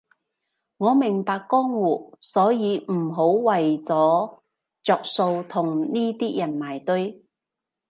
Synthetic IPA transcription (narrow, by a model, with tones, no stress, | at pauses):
ŋɔː˨˧mɪ˨˩ŋpaː˧kːɔː˥ŋwuː˨t̚sɔː˨˥jiː˨˧m̩˨˩ɦo˨˥wwɐ˨jt͡sɔː˨˥ | t͡sɔː˧k̚so˧wt̪ʰʊ˨˩ŋniː˥t̪iː˥jɐ˨˩nmaː˨˩jt̪ɵ˥ɥ